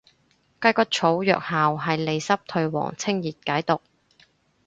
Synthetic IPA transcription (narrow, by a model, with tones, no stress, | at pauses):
kɐ˥kɐ˥t̚t͡ʃʰo˨˥wjœ̰ː˨k̚haː˨wɦɐ˨jle˨˧jsɐ˥p̚t̪ʰɵ˧ɥwɔ̰ː˨˩ŋt͡sʰɪ˥ŋjiː˨t̚kaː˨˥jt̪ʊ˨k̚